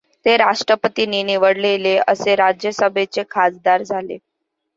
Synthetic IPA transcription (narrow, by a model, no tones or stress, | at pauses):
t̪eɾaʂʈɾəpət̪ininiʋəɽleleəseɾad͡ʑjəsəbʱet͡sekʰad͡zd̪aɾd͡zʱalḛ